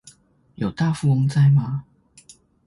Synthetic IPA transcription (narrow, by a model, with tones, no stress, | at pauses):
jo˨˩ʊt̪a˥˧fu˥˧ʊ˧˥ŋt͡sa˥˧ɪma˧